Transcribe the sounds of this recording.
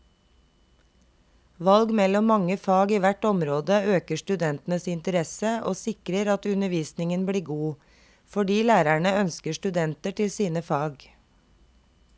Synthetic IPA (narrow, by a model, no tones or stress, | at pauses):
ʋɑlɡmɛlɔmɑŋəfɑːɡiːʋæʈɔmɾoːd̪əøːkəʃʈʉd̪ɛnt̪n̩əsɪnt̪əɾɛsəʔo̰ːsɪkɾəɾɑt̪ʉnəʋiːsnɪŋənbliːɡuː | fɔɖiːlæːɾæɳəœnskəʃʈʉd̪ɛnt̪əʈɪlsiːnəfɑːɡ